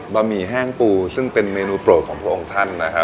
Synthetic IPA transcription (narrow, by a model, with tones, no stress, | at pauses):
ba˧miː˧ɦɛː˥˩ŋpuː˧sɯ˥˩ŋpe˧nmeː˧nuː˧˥pɾo˨˩kʰɔː˩˦pʰu˥˩ʔo˧ŋt̪ʰa˥˩nːa˦kʰa˦˥